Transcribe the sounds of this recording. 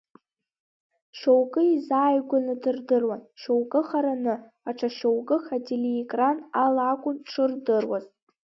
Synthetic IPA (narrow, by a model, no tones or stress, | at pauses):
ʃowɡʼɨizaːjɡʷanɨdɨrdɨrwanʃowɡʼɨχaɾanɨ | aʈ͡ʂʰaʃowɡʼɨxateleekʼranalakʷʼʊnʈ͡ʂʰɨrdɨrwa̰z